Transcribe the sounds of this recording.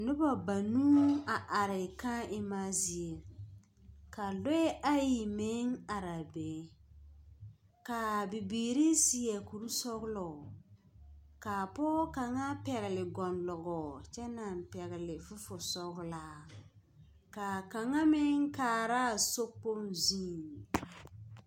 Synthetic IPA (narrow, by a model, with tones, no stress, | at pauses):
nʊ˦ba˨ba˨nuː˦a˨ʔa˨ɾɪ˨ka˦ɪ˦ma˦zi˨e˨ | ka˨lʊ˦ɛ˦ʔa˦ji˨mɪ˦ŋa˨ɾa˨beː˨˦ | ka˨bɪ˨biː˨ɾi˦si˨ɛ˨ku˨ɾu˦sɔ˦ɡlɔ˨ | ka˨pɔː˦ka˨ŋa˦pɛ˨ɣɛ˨lɪ˨ɡɔ˨nlɔ˨ɡɔ˨t͡ʃɛ˦na˨m˨pɛ˨ɣɛ˨lɪ˨fʊ˦fʊ˨sɔ˦ɣlaː˦ | ka˨ka˨ŋa˦mɪ˦ŋ˦kaː˨ɾa˦˨so˦po˦nziː˦˨